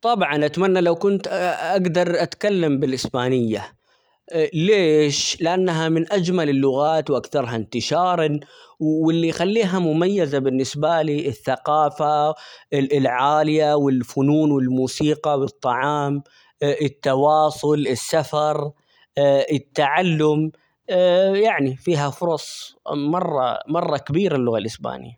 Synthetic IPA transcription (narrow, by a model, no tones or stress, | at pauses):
t̪ˤɑbʕɑnʔat̪manːalawkʊnt̪ʔaɡd̪ɑɾˤʔat̪kalːambɪlʔɪsbaːnɪjːa | leːʃlɪʔanːaɦamɪnʔad͡ʒmalɪlːʊɣaːt̪wʔakθɑɾˤɦant̪ɪʃɑːɾˤwwɪlːijxalːiːɦamʊmajːɪzabɪnːɪsbaliːʔɪθːaqɑːfa | ɪlʕaːlɪjawɪlfʊnuːnwɪlmuːsiːqɑwɨt̪ˤːɑʕɑːm | ʔɪt̪ːɑwɑːsˤʊlɪsːafɑɾˤ | ʔɪt̪ːaʕalːʊmː | jaʕnifiːɦafʊɾˤɑsˤmɑrˤːɑ̰mɑrˤːɑkabiːɾɪlːʊɣalʔɪsba̰ːnɪ̰jːa